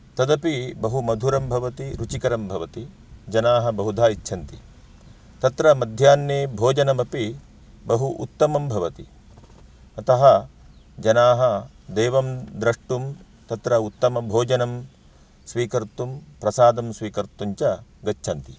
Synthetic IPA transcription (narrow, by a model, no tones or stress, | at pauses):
t̪ɐd̪ɐpibɐɦumɐd̪ʱuɾɐmbʱɐʋɐt̪iɾut͡ʃikɐɾɐmbʱɐʋɐt̪i | d͡ʒɐnaːɦɐ̆bɐɦud̪ʱaːjit͡ʃːʃʰɐnt̪i | t̪ɐt̪ɾɐmɐd̪ʱjaːnjeːbʱoːd͡ʒɐnɐmɐpi | bɐɦuʔṵt̪ːɐmɐmbʱɐʋɐt̪i | ɐt̪ɐɦɐ | d͡ʒɐnaːɦɐ | d̪eːʋɐmd̪ɾɐʂʈum | t̪ɐt̪ɾɐut̪ːɐmɐbʱoːd͡ʒɐnɐm | sʋiːkɐɾt̪umpɾɐsaːd̪ɐmsʋiːkɐɾt̪uɲt͡ʃɐɡɐt͡ʃːʃʰɐnt̪i